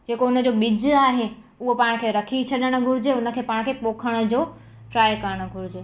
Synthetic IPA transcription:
d͡ʑeːkoʊnə̆d͡ʑoɓɪd͡ʑaːɦe | ʊɦopaːɪɽ̃̆kʰeːɾɐkʰit͡ɕʰɐɗəɽ̃ʊ̆ɡʱʊɾɪd͡ʑeʊnə̆kʰeːpaːɽ̃kʰeːpoːkʰəɽ̃ə̆d͡ʑoː | ʈɾaːjkɐɾəɽ̃ʊ̆ɡʱʊɾɪd͡ʑeː

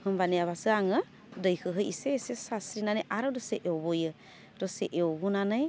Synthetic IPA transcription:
hɯmbaneaβasɯaŋɯ | dəjkʰɯɦɯjiseːsesasɾinaneʔaɾɔdɔseʔeɔbojɯ | dɔseʔeobunanaj

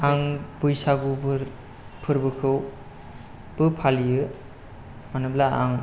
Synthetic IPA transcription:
aŋbɯjsaɡubɯɾ | pʰɯɾbɯkʰɯw | b̥ɯpʰalijɯ | manɯblaa̰ŋ

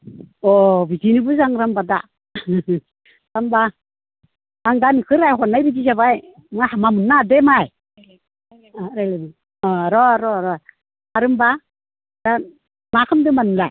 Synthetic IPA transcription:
ɔbizinɯbɯzaŋɾambada̰ | ɾamba | ŋdankʰɯɾajɦɔnːajbid͡ʒizaβaj | mahamamɯnːademaj | ɾajla | ɾɔɾɔɾɔj | aɾɯmba | d̥an | makʰɯmdɯmanɯmlaj

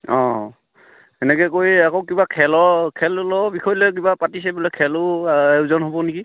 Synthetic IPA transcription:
ɔ̃ | ɛnɛkɛkojakowkibakʰɛlɔkʰɛllɔbikʰɔjɔlɛk̬ibapatis̬ɛbulɛkʰɛlʊewzɔnɦobɔniki

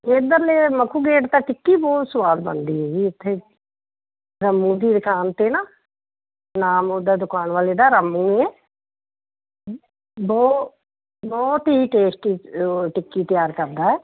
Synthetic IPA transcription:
eːd̪əɾlemɐkʰuːɡeːʈt̪aʈɪkːibɔːt̪sʊʋaːd̪bɐ̰nd̪iɦoːiɪt̪ʰːe | ɾɐmːũːd̪iːd̪kaːnt̪ena | naːmod̪ad̪ʊkaːnʋaːled̪aɾɐmːũːẽː | bɔː | bɔːt̪iiʈeːsʈiʈɪkːit̪jaːɾkɐɾd̪aːɛː

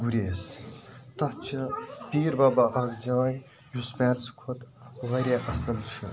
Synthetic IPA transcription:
ɡuɾʲeːst̪ɐht͡ʃʰɨpiːɾbɐbɐʔɐɡd͡ʒaːn | jusmeːlskʰot̪ʋɐɾʲeʔɐsɐlt͡ʃʰɨ

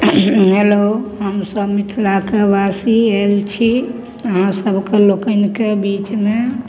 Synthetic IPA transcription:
ɦeloɦəmsəbmit̪ʰlakebasielt͡ʃʰi | əɦãsəbʱkelokənikebit͡ʃme

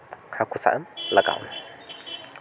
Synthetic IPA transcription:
ħakʰʷusa̰ʔɨmləkʼa̰wn

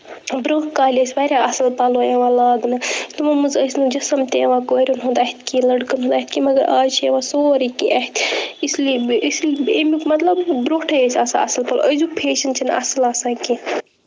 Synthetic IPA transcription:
bɾoːʈkaːlʲɐsʲʋaːɾʲaɐsɐlpaːloẽʋãːlaːɡnɨt̪umɐmɨzɐsʲnɨd͡ʒɐsɐmt̪eʋãːkoːɾonɦõːnd̪aːɦit̪ʰkilɐɖkɐnɦoːnd̪aːɦit̪ʰʲkimɐɡɐɾaːd͡ʒt͡ʃʰieʋãːsoːɾikĩʔɐɦt̪ʰisliisleːmikmɐt̪lɐbːɾoːʈʰɐjesʲaːsa̰ɐ̰sɐlpɐlo̰ʔɐzupʰeːʃɐnt͡ʃʰinɐ̰sɐlaːsãːkĩː

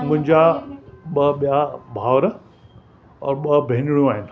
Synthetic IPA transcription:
mʊ̃ɦɪ̃ɲd͡ʑaɓɐɓijabʱaːʋɾə | ɔ̰ːɾɓɐbʱenɪɽijũaːɦɪnɪ̆

